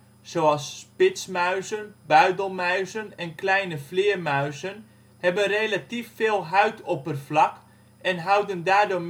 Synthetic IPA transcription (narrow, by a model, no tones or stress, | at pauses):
soːɑlˠspɪtsmœɥzənbœɥdəl̩ˠmœɥzənɛnklɛjnəflɪːəmœɥzən | hɛbənrelatifːeːlˠɦœɥtʰɔpərflɑk | ɛnɦɑwdəndaːrdoːm